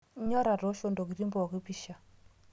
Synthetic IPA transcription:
ɲɔ˦ɾa˨ɾɔ˨˦ʃo˦ndo˨ki˨ɾi˦mbɔ˨ki˦pi˦ʃa˨

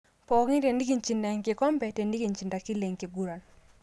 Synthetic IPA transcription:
pɔ˨ki˦te˨ndi˦ɡi˨ɲt͡ʃi˨nda˨ŋkɪ˨kɔ˦mbɛ˨te˨ndi˦ɡi˨nt͡ʃi˨nda˨ki˦le˨ŋki˨ɡu˦ɾa˨n

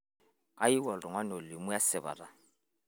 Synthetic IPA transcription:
a˦i˦wɔ˨lʼɔ˨ŋwa˦no˨lɪ˨mʊ˦ja˦sɪ˨ba̰˨ra˨

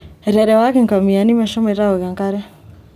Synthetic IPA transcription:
ɾɛ˨ɾɛ˨wa˦kɛ˨ŋka˨mi˨a˨ni˦ma˨ʃɔ˦mɛ˨ɾa˦o˨ɣa˨ŋka˦ɾa˦

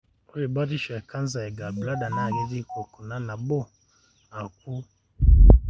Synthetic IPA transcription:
ɔ˦ɛ˨ba˦ɾi˦ʃɛ˨ka˦nza˨ɛ˨ɡa˨bla˦da˨na˦˨ɡɛ˨˦ɾi˦kɔ˨kɔ˨na˦na˨bɔ˦ | a˨ku˦

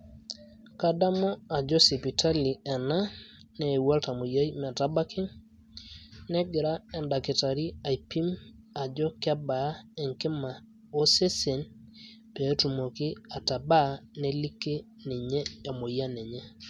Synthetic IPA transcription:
ka˦da˦mɔ˦a˨d͡ʒɔ˦si˨pi˨tʰa˦li˨ɛ˨na˦ | nɛː˨wa˦lta˨mo˨ja˦jmɛ˨ta˦ba˦kɪ˦ŋ | nɛ˦ɡɪ˨ɾa˦ɛ˨nda˨kɪ˨ta˨ɾi˦a˨i˨pi˦m | a˨d͡ʒɔ˦ka˦ba˨˦ɛ˨ŋkɪ˦ma˨ | o˦se˦se˨n | pe˨˦tu˨mo˨kɪ˦a˨ta˨ba˦ne˦li˦ke˦ | ni˨ɲɛ˦e˨mo˨ja˦nɛ˨ɲe˦

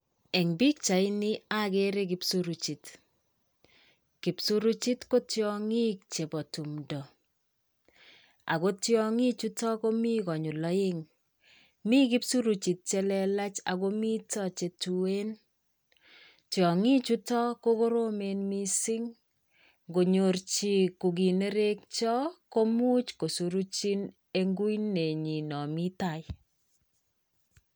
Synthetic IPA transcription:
ɛ˨ŋbi˦k̚t͡ʃa˨ɪ˦ni˦a˦ke˦ɾe˦kɪ˨˦psuɾu˨t͡ʃi˨t | ki˨psu˦ɾu˦t͡ʃi˦tko˦tjɔ˦ŋi˦k̚t͡ʃe˨bɔ˨tu˨mdɔ˨ | a̰˨ko˦tjɔ˦ŋi˦t͡ʃu˦tɔ˦ko˦mi˦kɔ˨ɲu˨lɔ˦jɪ˦ŋ | mi˦kɪ˦psu˦ɾu˨t͡ʃi˨t̚t͡ʃe˦lɛ˨la˦t͡ʃa˨ko˦mi˦tɔ˦t͡ʃe˨tu˨e˦n | tjɔ˨ŋi˦t͡ʃu˦tɔ˦ko˦ko˦ɾo˦me˨nmi˦sɪ˦ŋ | ɡo˨ɲo˨ɾt͡ʃi˨ku˨ɡi˨ne˦ɾe˦k̚t͡ʃɔ˦ko˦mu˦t͡ʃko˨su˨ɾu˦t͡ʃi˦n | e˦ŋɡu˦inːe˨ɲi˨nɔ˨mi˦ta˦˨j

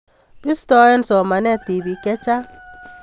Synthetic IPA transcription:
pi˦stɔ˦ɛ˦nsɔ˨ma˨nɛ˦ti˨bi˨kɛ˦t͡ʃa˦

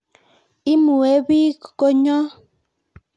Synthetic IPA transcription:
i˦mu˨e˦βi˦kko˦ɲɔ˦

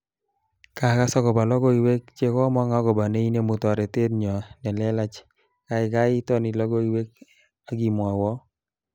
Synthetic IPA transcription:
ka˨ka˦sɔ˦kɔ˨ba˨lɔ˦ɡɔ˦i˨we˦k̚t͡ʃe˦kɔ˦mɔ˦ŋa˨˦ɡɔ˨ba˨ne˦i˦ne˦mʊ˨tɔ˨ɾɛ˨te˦tɲɔ˨nɛ˨lɛ˦la˦t͡ʃ | ka˨ɪ˨ka˦i˦tɔ˦ni˨lɔ˦ɡɔ˦i˨˦we˦k | a˨ɡi˨mwa˨wɔ˦

